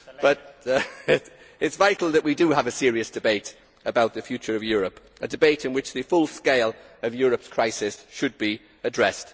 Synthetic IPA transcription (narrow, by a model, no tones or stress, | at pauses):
b̥ʌt | ɪtsvaɪtʰˡl̩ˠðəʔwidəəvəsɪəɹiɨsd̥ɨbeɪt | əbaʊt̪̚ðəfjʉˑt͡ʃəɹəvjɔːɹəp | ədɨbeɪtɪ̃nwɪt͡ʃðɨfʊlˠskeɪl | əvjɔːɹəpskʰɹ̥aɪsɪsʃɨd̚bi | ədɹɛst